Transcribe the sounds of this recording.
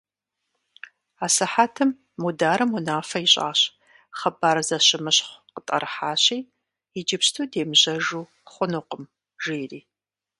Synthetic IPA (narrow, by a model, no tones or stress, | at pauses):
aːsɐħaːtʰɨmː | udaːɾɨmunaːfɐiɕʼa̰ːɕ | χɐbaːɾzɐɕɪmɨɕχʷqətʼɐ̰rħaːɕiːj | jɪd͡ʒɪpɕtʰuːdeːmʑɐʒuː | χʷʊnɨqəm | ʒeːriː